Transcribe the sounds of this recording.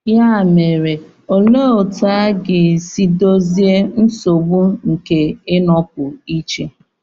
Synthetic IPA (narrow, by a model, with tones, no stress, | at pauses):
ja˦˨me˨ɾe˨ | o˨loː˦˨ta˦ɡɪ˨si˦do˦zi˦e˦n̩˦so˨ɡ͡bu˦ŋ̩˨ke˨ɪ˦nɔ˦k̚ʊ˨i˦t͡ʃe˦